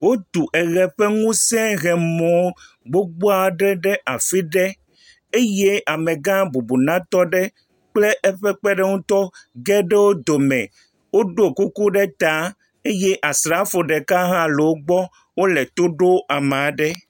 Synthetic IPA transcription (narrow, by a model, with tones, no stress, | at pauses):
wo˦t̪u˨ʔɛ˨ɣɛ˨ɸe˦ŋũ˦sɛ̃˦ɣɛ˨mɔ̃˨˦ | ɡ͡bo˦ɡ͡bo˦a˨ɖɛ˦ɖɛ˦ʔa˨fi˦ɖɛ˦ | e˦je˦a˨mẽ˨ɡã˦bu˨bu˨nã˦t̪ɔ˦ɖɛ˦ | k͡ple˦ʔɛ˦ɸɛ˦k͡pɛ˦ɖɛ˦ŋũ˦t̪ɔ˦ɡɛ˦ɖe˦wo˦d̪o˨mɛ̃˨ | wo˦ɖo˦ku˦ku˦ɖɛ˦t̪a˦ | e˦je˦ʔa˨sɾa˨˦fo˨ɖɛ˨ka˦ɦã˦le˨wo˦ɡ͡bɔ˦ | wo˦le˨t̪o˦ɖo˦a˨m˨a˨ɖɛ˦